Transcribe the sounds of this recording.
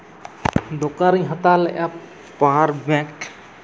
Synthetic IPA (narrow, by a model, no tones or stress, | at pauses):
d̪okaɾĩɦət̪alʔa | paːɾbɛ̃k